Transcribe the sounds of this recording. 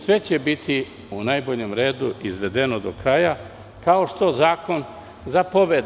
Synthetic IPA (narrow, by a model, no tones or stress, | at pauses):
sʋe̞t͡ɕe̞bit̪ʰi | unajbo̞ʎe̞mɾeːd̪uʔizʋe̞d̪e̞nod̪o̞kɾaja | kao̞ʃt̪o̞zaːko̞n | zapo̞ʋed̪